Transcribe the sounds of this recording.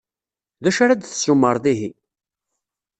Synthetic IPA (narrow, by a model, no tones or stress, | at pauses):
ðæʃaɾad̪θə̥sumːəɾˤðiɦi